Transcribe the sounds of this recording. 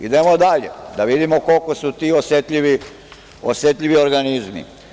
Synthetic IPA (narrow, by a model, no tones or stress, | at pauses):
ḭd̪emod̪aʎḛd̪aʋid̪imoko̞lkosut̪iːosjet̪ʎiʋi | osjet̪ʎiʋio̞ɾɡanizmḭ